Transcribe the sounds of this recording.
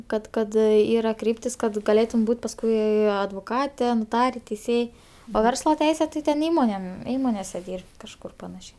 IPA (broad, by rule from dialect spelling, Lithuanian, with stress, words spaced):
ˈkɐt ˈkɐt ˈiːrɐ ˈkrʲiːpʲtʲɪs kɐt ɡɐˈlʲeːtʊm ˈbuːtʲ pɐsˈkʊɪ ɐdʋoːˈkɑːtʲɛ noːˈtɑːrʲɛ tʲɛɪˈsʲeːj oː ˈʋʲɛrslˠɐ ˈtʲɛɪsʲɛ tɐɪ tʲɛn ˈiːmoːnʲeːm ˈiːmoːnʲeːsʲɛ ˈdʲiːrʲpʲtʲ kɐʃˈkʊr pɐˈnɑːʃʲɛɪ